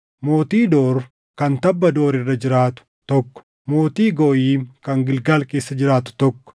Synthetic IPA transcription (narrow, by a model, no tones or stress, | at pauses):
moːt̪iːd̪oːɾ | kɐnt̪ɐbːɐd̪o̞ːɾɪrːɐd͡ʒɪɾaːt̪ʊ̥ | t̪ɔkːɔ̥ | mo̞ːt̪iːɡoːʔiːmkɐŋɡɪlɡɐlke̞ːsːɐd͡ʒɪɾaːt̪ʊ̥t̪ɔkːɔ̥